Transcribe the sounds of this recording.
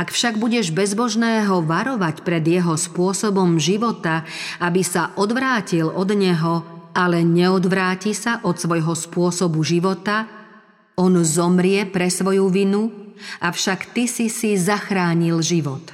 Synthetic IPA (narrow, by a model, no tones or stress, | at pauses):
akfʃaɡbuɟɛʒbɛzbɔʒnɛːɦɔʋaɾɔʋacpɾɛd̪jɛɦɔspʊɔsɔbɔmʒiʋɔt̪aʔabisaʔɔd̪ʋɾaːcilɔd̪ɲɛɦɔalɛɲɛɔd̪ʋɾaːcisaʔɔt̪sʋɔjɦɔspʊɔsɔbuʒiʋɔt̪a | ɔnzɔmɾɪɛpɾɛsʋɔjuʋinuafʃakt̪isisizaxɾaːɲilʒiʋɔt̪